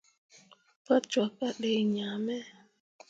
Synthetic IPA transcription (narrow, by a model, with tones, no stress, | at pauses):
pa˦t͡ʃwa˨ka˦ɗe˨ɲa˨mɛ˦